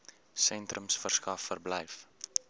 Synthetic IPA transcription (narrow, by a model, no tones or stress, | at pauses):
sɛntrəmsfərskɐfːərblɛjf